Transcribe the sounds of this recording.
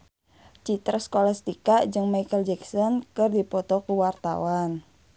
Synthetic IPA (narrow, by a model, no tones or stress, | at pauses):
t͡ʃit̪ɾəskɔlast̪ikaʔd͡ʒɨŋmajkəld͡ʒɛksɔnkɨrdipɔt̪ɔkuwart̪a̰wan